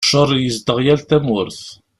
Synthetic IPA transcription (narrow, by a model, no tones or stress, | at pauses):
ʃəɾˤjəzd̪əʁjælt̪æmʊɾθ